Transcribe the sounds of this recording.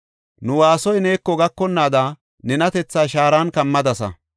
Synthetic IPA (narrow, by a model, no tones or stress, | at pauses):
nʊwaːsɔjne̞ːkːɔɡɐkːɔnːaːd̪a | nɛnɐt̪ɛt͡sːaːʃaːɾaːnkɐmːɐd̪ɐsɐ̰